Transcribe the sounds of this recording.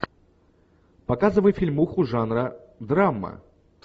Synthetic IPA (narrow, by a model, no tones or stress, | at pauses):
pakazɨvəjfʲilʲmuxʊʐanɾɐ | d̪ɾamːɐ̰